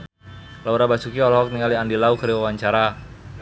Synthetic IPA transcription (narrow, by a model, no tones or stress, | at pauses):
lauɾabat͡ʃukiɔlɔɦɔk̚niŋaliandilaukəɾiwawaɲt͡ʃaɾa